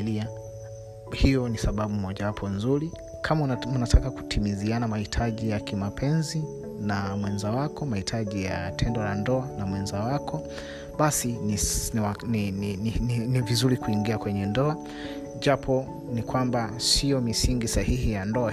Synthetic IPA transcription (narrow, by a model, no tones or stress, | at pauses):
lia | hijɔnisaɓaɓumɔʄawapʰɔnzuɾi | kʰamaunatʰakaku̥tʰimizianamahitʰaʄijakimapʰɛnzi | namwɛnzawakɔmahitʰaʄija̰tʰɛndɔlandɔanamwɛnzawakʰɔ | ɓasinianiinivizuɾikuiŋɡiakwɛɲɛndɔa | ʄapʰɔ | nikwambasijɔmisiŋɡisahihijandɔa